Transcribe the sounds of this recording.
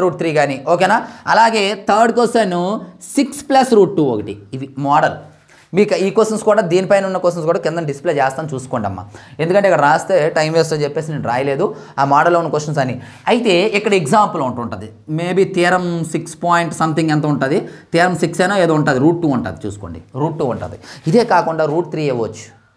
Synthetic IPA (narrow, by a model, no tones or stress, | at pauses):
ɾuːʈ̚t̪ɾiːɡaːnioːkeːnaːɐlaːɡe̞ːt̪ʰɐːɾɖkoːseːnusiksplɐsɾuːʈ̚ːuːokɐʈḭʋimaːɖɐl | miːkɐiːkosɐnskuːɽaːd̪iːnipɐjneunːɐkɔsʈ̬ɐns̬kuːɽaːkɪnd̪ɐɖisi̥pleːt͡ʃɛːst̪aːnit͡ʃuːsu̥koːɳɖiɐ̰mːa̰e̞nd̪ukɐɳʈeːkɐɽɐɾaːst̪eʈɐjmʋeːsʈɐt͡ʃɛpːeːs̬iniːnɾa̰ːjɐle̞ːd̪uaːmaːɽɐlːoːunːɐkʋosʈɐns̬ɐni | ɐjit̪e̞ːikːɐɽɐeɡzaːmpulouɳʈuɳɐnd̪i | meːbit̪iːɾɐmsikspaːjiɳʈsɐmt̪ʰiŋɡɐnt̪aːuɳʈɐːd̪it̪iːɾɐmsiksɐjnaːeːd̪ouɳʈaːd̪iɾuːʈ̚ʈːuːuɳʈa̰ːd̪it͡ʃṵːsu̥koːɳɖiɾuːʈ̚ːuːuɳʈɐ̰ːd̪iid̪e̞ːkaːkuɳɖaːɾuːʈ̚t̪ʰɾiːeʋot͡ʃːu̥